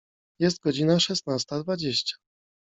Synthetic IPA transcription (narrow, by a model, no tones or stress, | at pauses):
jɛs̬t̪̚ɡɔd͡ʑinaʂɛsnast̪ad̪vad͡ʑeɕt͡ɕḁ